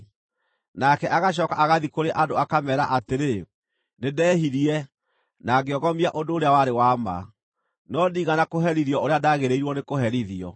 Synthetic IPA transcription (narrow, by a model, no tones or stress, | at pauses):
nakɛʔaɣaɕ̬ɔkaʔaɣaðikoɾeʔadoakamɛːɾaʔateɾe | nedɛːhiɾiɛ | naɡeɔɣɔmiaʔodoːɾeawaɾewama̰ | nɔdiːɣanakoɦɛɾiðjɔoɾeadaɣeɾeiɾwɔnekohɛɾiðiɔ̰